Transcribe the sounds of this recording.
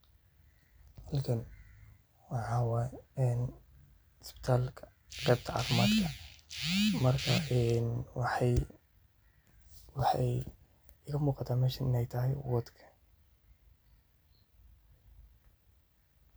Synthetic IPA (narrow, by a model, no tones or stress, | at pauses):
hɐlkʰɐn | wɑʕɑːwɛɛn | ɪspɪ̥t̪ʰaːlʰ | r̥ɛːb̚t̪ʰɐʕa̰ːfmaːd̪kʰɐ | mɐrkʰɐʔɛnwħ | wɑħɑj | ɣɐmuːqɑt̪ʰaːmɛːʃɐnɪnɛjt̪ʰɐɦɛjwɔd̪kʰɐ̥